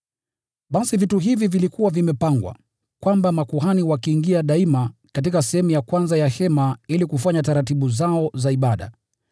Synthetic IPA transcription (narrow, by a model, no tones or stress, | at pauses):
ɓasivituɦivivilikuwavimɛpaŋɡwa̰ | kwambamakuɦaniwakiːŋɡiaɗaimakat̬ikasɛhɛmujakwanzajahɛmailikufaɲataɾatiɓuzaɔzaiɓaɗa̰